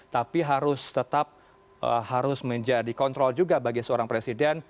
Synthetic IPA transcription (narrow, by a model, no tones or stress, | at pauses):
t̪apiɦaɾʊst̪ət̪ap̚ | ʔə̰haɾʊsməɲd͡ʒadikɔnt̪ɾɔld͡ʒuɡabaɡisəoɾaŋpɾesidɛn